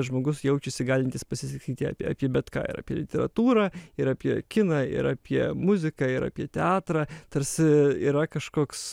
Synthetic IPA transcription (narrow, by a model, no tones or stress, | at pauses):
ʒmoːɡʊsjɛʊt͡ʃʲɛsʲɪɡɑːlʲɪnʲt̪ʲɪspɐsʲɪsʲɐkʲiːt̪ʲɪɑ̰pʲa̰ːpʲiɛbʲɛt̪kɑ̰ːɪ̰ɾa̰ːpʲiɛ̰lʲɪt̪ʲɛɾɐ̰t̪uːɾɑːɪɾaːpʲiɛkʲɪnɑːɪ̰ɾɑːpʲiɛmʊzʲɪkɐːɪɾa̰ːpʲiɛt̪ʲɛɑːt̪ɾɑːt̪ɐɾʲsʲɪḭːɾɐkɐʃkoːks